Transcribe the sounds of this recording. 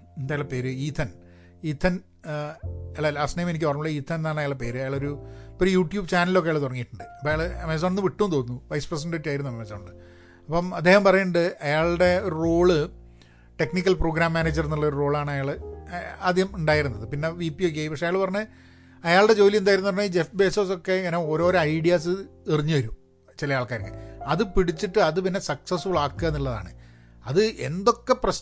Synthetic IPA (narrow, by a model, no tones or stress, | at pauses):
end̪aːjaɭpe̞ːɾɨiːt̪ʰːɐn | iːt̪ʰːɐn | elːalaːsnejmenik̬ʲːipɐrɐmːuɭːɐiːt̪ʰːɐnnːaːɳɐjaːɭɖepe̞ːɾɨɐjaːɭo̞ɾupːoɾijuːʈjuːbɨt͡ɕaːnɐlilo̞kːejaːɭt̪urɐŋːijiʈːuɳɖɨɐpːoːjaːɭɨɐmesoːɳenːɨʋiʈːunt̪oːnunːuʋɐjspres̬eɳʈɖeːʈːaːjiɾunːuɐmesoːɳɖɨ | ɐpːɐmɐd̪ːe̞ːhɐmpɐrɐjɳɖɨɐjaːɭɽe̞oɾuro̞ːɭɨ | ʈe̞knikʲːɐlpro̞ːɡɾaːmːaːneːd͡ʑːɐɾiɾunːuɭːðoɾuro̞ːɭaːɳɐjaːɭ | aːd̪ʱjihɐmuɳɖaːjiɾunːɐðɨpinːe̞ʋipːiok̬ːeaipɐkʂeɐjaːɭɨpɐrɐɲːɨ | ɐjaːɭɨɽe̞d͡ʑo̞ːlijenaːjiɾunːɐpɐnːɐiːd͡ʑe̞fbe̞ːsosokːeɐnɐo̞ːɾo̞ːɾoɐjɽijaːs̬ɨiriɲːɨʋɐɾu | t͡ɕilɐjaːɭkaːɾɐŋɡɐ̰ɐðɨpiɽit͡ɕːiʈːɨɐðɨpinːe̞sɐksɐsubɨɭaːkːɨɣɐniɭːɐða̰ːɳɨ̰ | ɐðɨʔe̞̰nd̪o̞kːe̞prɐɕ